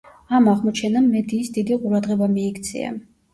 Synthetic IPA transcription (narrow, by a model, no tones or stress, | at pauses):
amaʁmɔt͡ʃʰɛnamːɛd̪iːsd̪id̪iqʼuɾad̪ʁɛbamiːkʰt̪sʰḭa̰